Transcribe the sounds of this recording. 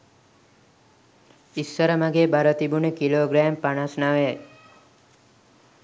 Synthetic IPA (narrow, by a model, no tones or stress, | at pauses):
isʋəɾəmaɡeːbaɾət̪ibunekiloːɡɾɛːmpanasnaʋəja